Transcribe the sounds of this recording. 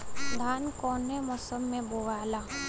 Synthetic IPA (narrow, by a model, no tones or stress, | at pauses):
d̪ʱaːnkɔːnemɔːsəmːẽboːʋaːlaː